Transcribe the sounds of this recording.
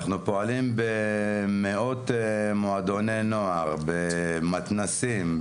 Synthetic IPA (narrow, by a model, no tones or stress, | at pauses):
χnupo̞alimbemeo̞t̪moad̪oneno̞aʁbemat̪nasim